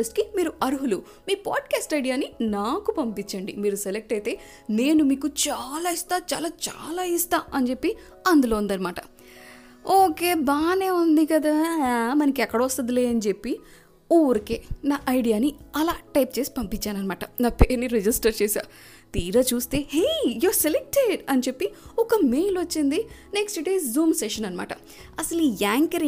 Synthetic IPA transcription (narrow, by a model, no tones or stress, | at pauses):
esʈkimiːɾuɐɾuɦulu | miːpaːɖkaːsʈɐjɽijaːninaːkupɐmpit͡ʃːɐɳɖimiːɾuselek̚ʈɐjt̪e̞ː | ne̞ːnumiːkut͡ʃaːlaːist̪aːt͡ʃa̰ːlaːt͡ʃa̰ːlaːist̪aːɐnd͡ʒe̞pːi | ɐnd̪ulo̞ːund̪ɐːnimaːʈɐ̥ | oːke̞ːbaːneːund̪ikɐd̪aːmɐnɐkiɛkːɐɽɐʋɔst̪ɐd̪ile̞ːɐnid͡ʒe̞pːi | ɔʋɐɾikeːnaːʔɐjɖijaːniɐlaːʈɐjp̚t͡ʃe̞ːsi̥pɐmpit͡ʃːaːnɐnɐmaːʈɐnaːpeːnːiɾed͡ʒisʈɐɾt͡ʃeːsa̰ː | t̪iːɾɐːt͡ʃuːst̪eːɦejoːselek̚ʈeɖɐnt͡ʃepːiɔkɐmejlʋɐt͡ʃːind̪ineksʈɖeːszuːmseʃɐnɐnɐma̰ːʈɐ | ɐsɐlijaːŋkɐɾ